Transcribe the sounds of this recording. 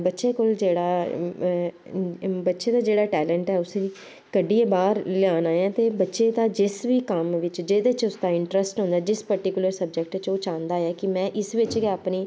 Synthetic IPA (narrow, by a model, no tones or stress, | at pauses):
bətːʃeːkoːld͡ʒeːɽaː | bətːʃeːd̪aːd͡ʒeːɽaːʈɛːləɳʈɛːʊsiː | kəɖiːeːbaːɾlɪaːnãːjãːt̪eːbətːʃeːd̪aːd͡ʒɪsʋiːkəmʋɪt͡ʃd͡ʒeːd̪eːt͡ʃʊsd̪aːɪɳʈɾəsʈɦʊ̃nd̪aːd͡ʒɪspəɾʈiːkʊləɾsəb̚d͡ʒək̚ʈt͡ʃoːt͡ʃãːnd̪aːɛːkɪmɛ̃ːʔɪsʋɪt͡ʃkɪapniː